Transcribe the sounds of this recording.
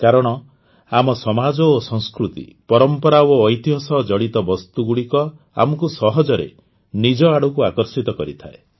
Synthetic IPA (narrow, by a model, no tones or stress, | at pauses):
kaɾɔɽ̃ɔ | amɔsɔmad͡ʒɔosɔ̃ŋskɾut̪ḭpɔɾɔmpɔɾaːjt̪iɦɔsɔd͡ʒɔɽit̪ɔbɔst̪uɡuɽikɔ | a̰mɔkusɔɦɔd͡ʒɔɾḛ | nid͡ʒɔaɽukuakɔɾsit̪ɔkɔɾit̪ʰae